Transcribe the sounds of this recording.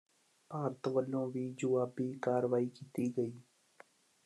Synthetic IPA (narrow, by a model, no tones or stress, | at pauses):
paːɾət̪ʋəlːõːʋiːd͡ʒʊʋaːbiːkaːɾʋaːiːkiːt̪iːɡəiː